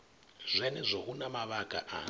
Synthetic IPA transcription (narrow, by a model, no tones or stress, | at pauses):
zʷɛnɛzʷɔɦunamaβaɡʱʼa̰ʔa̰